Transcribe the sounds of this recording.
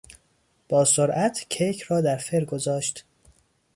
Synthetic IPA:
b̥ɒːsoɾʔæt̪ʰcʰejcʰrɒːd̪æɾfeɾɡo̞zɒːʃt̪

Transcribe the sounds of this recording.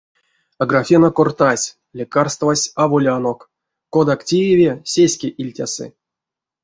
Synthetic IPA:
aɡrafʲinakort̪asʲ | lʲikarst̪vasʲavolʲanok | kːod̪aktʲijevʲesʲesʲkʲeʔilʲtʲasɨ̰

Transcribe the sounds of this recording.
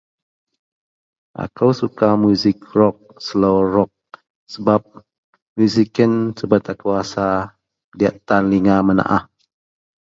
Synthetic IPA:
ʔa̰kəwsukamuzɪkrɔk̚sloɾɔk̚ | səbap̚ | mjuzikənsəbət̪akuasa | ədia̰ʔt̪anliŋaməna̰ʔah

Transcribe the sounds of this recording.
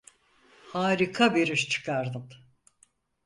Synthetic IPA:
haːɾikʰabeɾiʃt͡ʃʰɯ̥kʰaɾd̪ɯm

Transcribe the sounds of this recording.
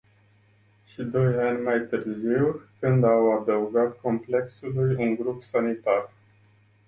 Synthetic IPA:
ʃid̪o̞janʲmajt̪ɨrziwkɨnd̪awad̪əuɡat̪ko̞mple̞ksulujuŋɡɾupsanit̪ar

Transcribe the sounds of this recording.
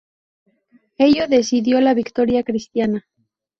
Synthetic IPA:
e̞ʎo̞ðe̞siðjo̞laβikt̪o̞ɾjakɾist̪jana

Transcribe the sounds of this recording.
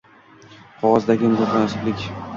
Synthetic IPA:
qʰɒʁɒzd̪aɡʲɪmʊzɒχlansɪblɪkʲ

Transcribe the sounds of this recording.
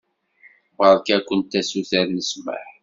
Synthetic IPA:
ʁəɾˤkækʷːənt̪æsuθæɾnəsmə̰ħ

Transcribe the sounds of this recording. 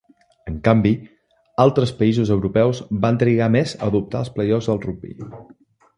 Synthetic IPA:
əŋkambi | alˠt̪ɾəspəizuzəwɾupɛwzbant̪ɾiɣamezə̰ðup̚t̪a̰əlˠspləjɔfzðəlˠrubḭ

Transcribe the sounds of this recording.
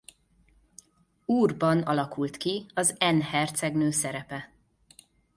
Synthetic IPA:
uːrbɒnɒ̰lɒkult̪kiɒzɛnhɛrt̪sɛɡnøːsɛɾɛpɛ

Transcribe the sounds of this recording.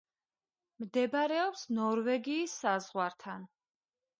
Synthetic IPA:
md̪ɛbaɾɛɔpsnɔɾvɛɡiːsːazʁwaɾt̪ʰan

